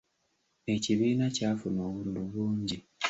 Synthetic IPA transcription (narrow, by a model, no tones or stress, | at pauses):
e̞ciβiːnacaːfuno̞ːβulduβuːɲɟi